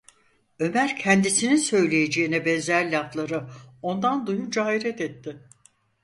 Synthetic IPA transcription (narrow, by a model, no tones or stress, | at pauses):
ø̞mæɾcʰɛnd̪isininsø̞jlʲejed͡ʒeinɛbɛnzæɾlʲaft̪lˠaɾɯo̞nd̪and̪ujund͡ʒaːiɾɛt̪ɛt̪ːɪ